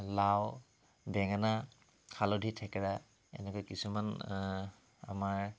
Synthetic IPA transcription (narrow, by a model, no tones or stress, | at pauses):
law | bɛŋana | kʰalodʱitʰɛkaɹa | ɛ̰nɛkɔjkisuman | a̰maɹ